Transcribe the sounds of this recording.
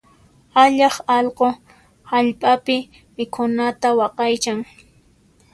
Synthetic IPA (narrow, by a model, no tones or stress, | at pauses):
aʎɑχɑlqo | haʎpʼapɪ | mɪkʰʊnat̪awɑqɑjt͡ʃaŋ